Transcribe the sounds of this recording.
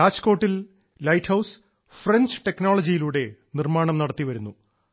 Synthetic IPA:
aːt͡ɕko̞ːʈːil | lɐjʈʰhɐws | frend͡ʑɨʈe̞kno̞ːɭɐd͡ʑijiluːɽe̞nirmaːɳɐmnɐɽɐt̪ːiʋɐɾunːu

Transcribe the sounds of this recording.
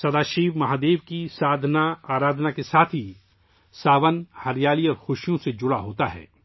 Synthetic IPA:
sɐd̪aːʃiːʋmɐɦaːd̪eːʋkisaːd̪ʱnaaːɾaːd̪ʱnakesaːt̪ʰi | saːʋənhɐɾjaːliɔːɾxʊʃjõsed͡ʒʊɽaɦoːt̪aɦɛ̰ː

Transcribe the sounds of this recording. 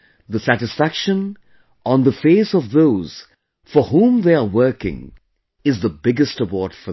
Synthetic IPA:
ðəsæɾɨsfækʃə̃n | ə̃nðəfeɪsʌvðoʊz̥ | fəɦũmðeɪəwɜ˞kɪ̰̃ŋ | ɨzðəbɪɡɨstəwɔɹtfə

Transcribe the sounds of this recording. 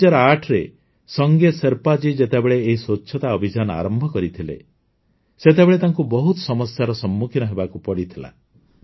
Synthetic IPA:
d͡ʒɔɾaʈʰɾe | sɔŋɡeseɾpad͡ʒid͡ʒet̪ebeɭeːɦisott͡ʃːʰɔt̪aɔbʱid͡ʒanɔa̰ɾɔmbʱɔkɔɾit̪ʰilḛ | set̪̬ebeɭet̪aŋkubɔɦut̪ɔ̥sɔmɔsjaɾɔsɔmːukʰinɔɦebakupɔɽit̪ʰila̰

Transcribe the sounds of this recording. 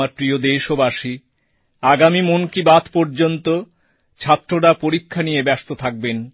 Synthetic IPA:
aɾpɾiod̪eʃobaʃi | aɡamimonkibat̪pɔɾd͡ʑont̪o | t͡ɕʰat̪ːɾoɽapoɾikʰːanijebɛst̪ot̪ʰak̚ben

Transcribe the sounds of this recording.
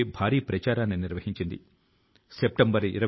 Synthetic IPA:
bʱaːɾiːpɾɐt͡ʃaːɾaːnːiniɾʋɐɦiɲt͡ʃind̪ḭ | sep̚ʈɐmbɐɾḭɾɐ

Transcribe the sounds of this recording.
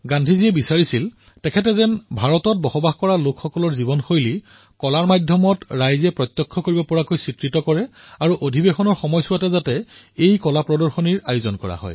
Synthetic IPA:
ɡandʱiziɛbisaɹisil | tɛkʰɛtɛzɛnbʱaɹɔtɔt̚bɔxɔbaɦkɔɹalokxɔkɔlɔɹzibɔnxojli | kɔlaɹmadʱjɔmɔtɹajzɛpɹɔt̪jɔkʰːɔkoɹibɔpɔɹakojsitɹitɔkɔɹɛaɹuʔodʱibexɔnɔɹxɔmɔjsʊatɛzatɛ | ejkɔlapɹɔdɔɹxɔniɹajʊzɔnkɔɹa̰hɔ̰j

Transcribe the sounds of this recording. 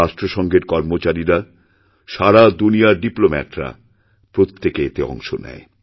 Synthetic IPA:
aʃʈɾoʃɔŋɡeɾkɔɾmot͡ɕaɾiɾa | ʃaɾad̪unijaɾɖiplomɛ̰ʈɾa̰ | pɾot̪ʰːekeet̪eɔ̰ŋʃonɛ̰e

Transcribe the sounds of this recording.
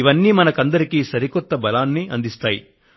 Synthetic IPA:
iʋɐnːiːmɐnɐkɐnd̪ɐɾikiːsɐɾikɔt̪ːɐbɐlaːnːiʔɐnd̪ist̪aːjḭ

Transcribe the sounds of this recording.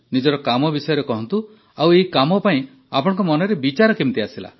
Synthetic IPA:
nid͡ʒɔɾɔkamɔbisɔjɔɾekɔɦɔnt̪u | aweikamɔpaĩ | apɔɽ̃ɔ̃ŋkɔmɔnɔɾebit͡ʃaɾɔkimt̪iasila̰

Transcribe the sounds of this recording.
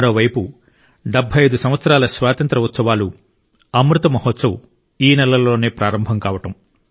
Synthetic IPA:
ɐɾo̞ːʋɐjpu | ɖebʱːɐjɐjd̪usɐmʋɐt̪sɐɾaːlɐsʋaːt̪ɐnt̪ɾɐut̪sɐʋaːlu | ɐmɾut̪ɐmɐɦɔt̪sɐwu | iːnɛlɐlo̞ːneːpɾaːɾɐmbʱɐmŋkaːʋɐʈɐm

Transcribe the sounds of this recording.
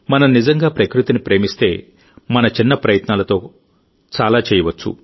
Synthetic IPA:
mɐnɐmnizɐŋɡaːpɾɐkɾut̪inipɾe̞ːmist̪e̞ː | mɐnɐt͡ʃinːɐpɾɐjɐt̪naːlɐt̪o̞ː | t͡ʃaːlaːt͡ʃɛːjɐʋɐt͡ʃːṵ

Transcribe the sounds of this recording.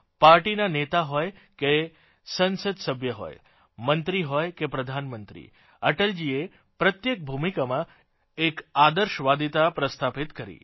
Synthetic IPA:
paɾʈinanet̪aɦɔjke | sənsəd̪səbʱjəɦɔ̰j | mənt̪ɾiɦɔjkepɾəd̪ʱanmənt̪ɾḭ | əʈəld͡ʒie | pɾət̪jek̚bʱumikamã | ekad̪əɾʃʋad̪it̪apɾəst̪ʰapit̪kəɾḭ

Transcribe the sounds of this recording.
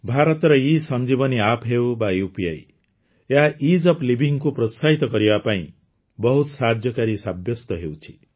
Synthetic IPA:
bʱaɾʌt̪ɾʌisʌnd͡ʒibʌniapʰɦewbajupia̰j | jaaʔid͡ʒʌplibʱiŋkupɾɔsaɦit̪ɔkʌɾibapaḭ̃ | bɔɦut̪sad̪ʱjʌkaɾisabjɔst̪ʌɦewt͡ʃʰi̥

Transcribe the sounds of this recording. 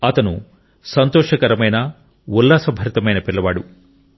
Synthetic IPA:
ɐt̪ɐnṵ | sɐnt̪ɔːʃɐkɐɾɐmɐjnɐ | wulːaːsɐbʱɐɾit̪ɐmɐjnɐpiɭːɐʋaːɽu

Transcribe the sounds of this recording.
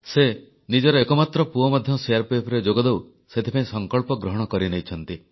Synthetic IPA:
se | nid͡ʒɔɾɔekɔmat̪ɾɔpuɔmad̪ʱjɔseaɾpepʰɾed͡ʒoɡɔd̪ew | set̪ʰipaĩsɔŋkɔɭpɔɡɾɔɦɔɽ̃ɔkɔɾinejt͡ʃʰɔnt̪i

